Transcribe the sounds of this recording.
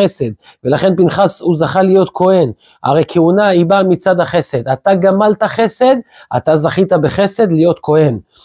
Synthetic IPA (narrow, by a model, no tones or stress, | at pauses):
ese̞d̪̚ | ve̞laχe̞npinχasuzaχalijo̞t̪kʰo̞e̞n | ʔa̰ʁe̞jkʰeunaibamit͡sad̪haχe̞se̞d̪at̪aɡamalt̪aχe̞se̞d̪ | a̰t̪azaχit̪abeχe̞se̞d̪lijo̞t̪kʰo̞he̞n